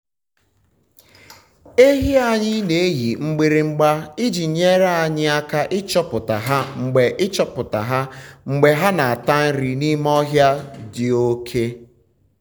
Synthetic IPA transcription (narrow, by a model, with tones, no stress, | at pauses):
e˦ɦi˦a˦ɲɪ˦ne˨e˦ji˨ŋ͡m̩˦ɡ͡bi˦ɾe˦ŋ͡m̩˦ɡ͡ba˦ɪ˦d͡ʒi˨ɲe˦ɾa˦a˨ɲɪ˦a˦ka˦ʔɪ˦t͡ʃɔ˦pʊ˨ta˨ɦa˦ŋ͡m̩˨ɡ͡be˨ʔɪ˦t͡ʃɔ˦pʊ˨ta˨ɦa˦ŋ͡m̩˨ɡ͡be˨ɦa˦na˨a˨ta˦n̩˦ɾi˨ni˦m˦ɔ˦ɦja˦dɪ˨o˦kʰe˦